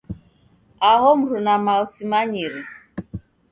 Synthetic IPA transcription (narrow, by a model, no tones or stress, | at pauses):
ahɔm̩ɾunamaɔsimaɲiɾi